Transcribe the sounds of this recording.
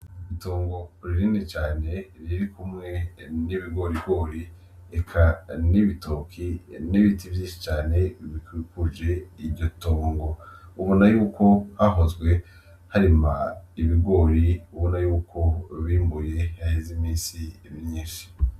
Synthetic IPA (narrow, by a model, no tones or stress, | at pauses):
itoːŋɡo̞ɾiɾinet͡ʃaːne̞ɾiɾikʰumŋe̞niβiɡo̞ɾiɡo̞ːɾi | ekʰaniβitokʰiniβitivjĩːʃi̥t͡ʃaːne̞βikuikuʒe̞iɾɟo̞toːŋɡo̞uβunajuːko̞haɦo̞zɡwe̞ | haɾimaiβiɡo̞ːɾiuβunajuːkʰo̞βiːmbuje̞hahezimiːnsiβiɾɲiːʃi̥